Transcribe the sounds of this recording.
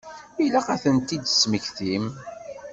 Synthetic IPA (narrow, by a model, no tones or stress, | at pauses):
ilæqæθənt̪id̪sməçθim